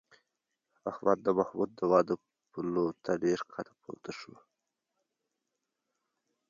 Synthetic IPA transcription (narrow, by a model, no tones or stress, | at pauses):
ahwɑt̪̚d̪əmahbut̪̚d̪əwɑːd̪ə | pulot̪ʰaɖeɾqʰat̪ʰḁpʰo̰ɾt̪aʂṵ